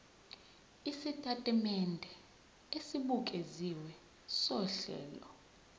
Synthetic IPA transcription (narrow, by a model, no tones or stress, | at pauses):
isitʼatʼɛmɛndʱɛ | esiɓukʼeziwɛ | sɔɬɛ̰ːlɔ